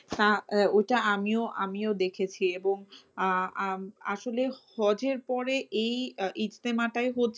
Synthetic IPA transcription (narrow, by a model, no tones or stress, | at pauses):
t̪aojʈaamioʔa̰miod̪ekʰet͡ɕʰieboŋ | a̰ʃolehɔd͡ʑeɾpɔɾeejʔid͡ʑt̪emaʈaeɦotːt͡ɕʰ